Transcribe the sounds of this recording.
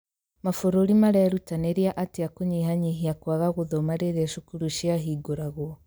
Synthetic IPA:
mafoɾoɾimaɾɛɾutaneɾiaʔateakoɲiɦaɲiɦiakwaɣaɣoðɔmaɾeðaʃokuɾuʃiaɦiːɡoɾaɣwɔ

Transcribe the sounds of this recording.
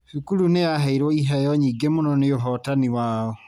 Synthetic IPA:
hikuɾuneaɦaiɾwɔiɦajɔɲiːɡemonɔneoɦɔtaniwaːɔ

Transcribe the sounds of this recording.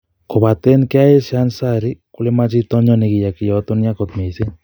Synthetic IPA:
kʰobat̪enkajesansaɾikulemat͡ʃit̪ɔɲɔniɡijakijɔt̪ɔnijakɔt̪mese

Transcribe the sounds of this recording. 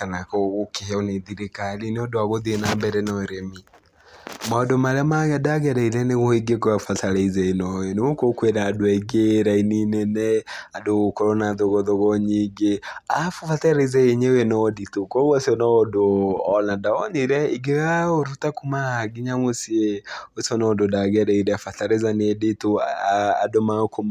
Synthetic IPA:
kanakɔɣokehoneðiɾekalineɔdoaɣoðienambɛɾɛnɔeɾemi | maɔdomaɾeamaɣɛdaɣɛɾaiɾɛneɣɔiɡekoafataɾɛizɛenɔenewokokweɾadoɛiɡeɾaininɛnɛadoɣokoɾɔnaðoɣɔðoɣɔɲiɡeafofataɾezɛeɲeoenɔditokɔɣɔsɔnɔdoːnadaɔniɾɛiɡeɣaoɾutakumaaɡiɲamosieosɔnɔdodaɣɛɾɛiɾɛafataɾezanedetoaa̰domakom

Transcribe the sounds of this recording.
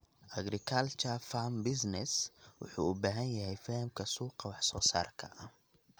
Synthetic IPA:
ʔɐɡrɪkʰɐlt͡ʃʰɐfambɪsnɛswʊ̰ħṵːubaːɦɐnjɐɦɛjfɐhɪmkʰɐsuːqɑwɑħsɔːsa̰ːrkʰɐ̰ʔɐh

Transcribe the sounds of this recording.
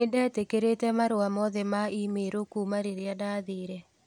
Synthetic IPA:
edɛtekeɾetɛmaɾoamɔðemaimeɾokumaɾeɾjadaðiɾɛ

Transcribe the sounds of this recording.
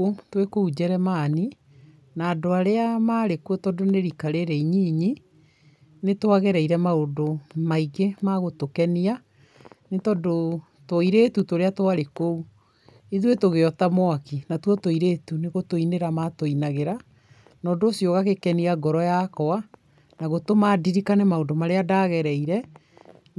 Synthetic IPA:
otwekoud͡ʑɛɾɛmaːni | naːdoaɾeamaːɾekwɔtɔdoneɾikaɾeɾɛiɲiːɲi | netoaɣɛɾɛiɾɛmaodomaiɣemaɣotokɛnia | netɔdo | toiɾeːtutoɾeatoaɾekou | iðwetoɣeɔtamwakinatwɔtoiɾetuneɣotoineɾamatoinaɣeɾa | nɔːdoːsjoɣaɣekɛniaɡɔɾɔjakɔa | naɣotomadiɾikanɛmaodomaɾeadaɣɛɾɛiɾɛ

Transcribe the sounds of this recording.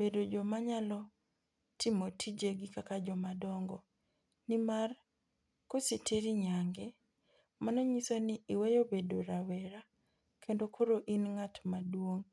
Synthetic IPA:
bedod͡ʒɔmaɲalɔ | tʰɪmotʰid͡ʒeɡikakad͡ʒɔmadɔŋɡɔ | nɪmar | kosetʰeɾiɲaŋɡɛ | manɔɲisonɪʔiwejobedoɾawɛɾa | kʰendokʰoɾoʔinŋatmadwoŋ

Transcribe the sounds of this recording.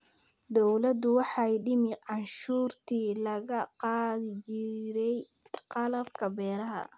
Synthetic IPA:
d̪ɔwlɐd̪ʊwɑħɑjɖɪmɪʕɑnʃuːrt̪ʰiːlɐɣɐqɑːðɪt͡ʃɪɾɛj | qɑlɐbkʰɐbɛːɾɐɦɐ̰

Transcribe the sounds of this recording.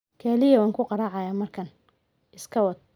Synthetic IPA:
kʰɛlɪjɐwɑːŋkʰʊqɑɾɑʕɑjaːmɐrkʰɐn | ʔɪskʰɐwɐd̪̚

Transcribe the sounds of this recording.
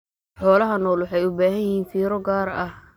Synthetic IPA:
ħɔːlɐɦɐnɔːlwʊħɑjʊbaːɦɐjɪhiːnfiːɾɔɡaːɾɐh

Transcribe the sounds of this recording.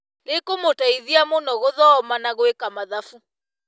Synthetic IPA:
lekomotaiðiamonɔɣoðɔːmanaɣoekamaðafu

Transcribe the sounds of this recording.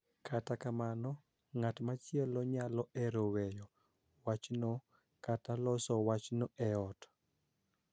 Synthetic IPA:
kʰatakamanɔ | ŋatmat͡ʃjɛlɔɲalɔʔɛɾowejɔ | wat͡ʃno | katalɔsɔwat͡ʃnoʔɛɔt

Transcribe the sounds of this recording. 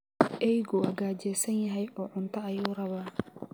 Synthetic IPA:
ʔɛjɡʊɐɡaːt͡ʃɛːsɐnjɐɦɛjʔɔːʕʊnt̪ʰɐɐjuːrɐβaː

